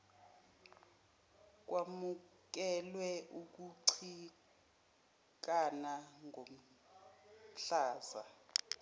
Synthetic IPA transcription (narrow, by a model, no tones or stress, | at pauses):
k̬wamuk̬ɛlwɛʔuk̬uǀʰi | k̬anaŋom̩ | ɬaːza̰